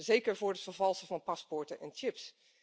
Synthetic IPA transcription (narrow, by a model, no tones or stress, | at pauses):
zejkəɹvʊːɹdətfəɹvɑlˠsəvɑnpɑspʊɹtənʔɛnt͡ʃɪps